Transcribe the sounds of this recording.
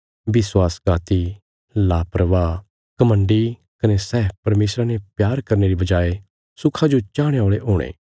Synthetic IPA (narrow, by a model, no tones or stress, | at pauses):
ʋɪswaːsɡaːt̪i | laːpɾɐʋaː | kɐmə̃ɳɖi | kɐnesɛːpɐɾmeːsɾanepjaːɾkɐɾneɾibɐd͡ʒaːe | sʊkʰad͡ʒot͡ʃaːɽ̃eoːɭeɦoːɽ̃ḛː